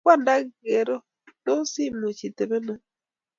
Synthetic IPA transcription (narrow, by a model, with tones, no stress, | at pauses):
kwa˦˨nda˦ɡe˨ɾɔ˦ | to˦si˦˨mu˨t͡ʃi˨te˨be˦na˦